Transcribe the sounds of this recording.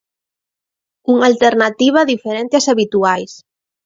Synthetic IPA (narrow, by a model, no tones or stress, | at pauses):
uŋalt̪eɾnat̪iβ̞aðifeɾent̪easaβit̪uajs